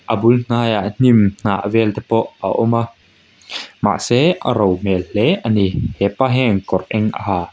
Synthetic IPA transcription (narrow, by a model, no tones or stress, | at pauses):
ʔɐbuln̥aːjaʔn̥imn̥aʔvɛlt̪ɛpɔʔaʔɔma | ma̰ʔsɛʔaɾɔwmɛlːɛʔanihɛpaɦɛŋkɔrʔɛŋʔa̰ɦaː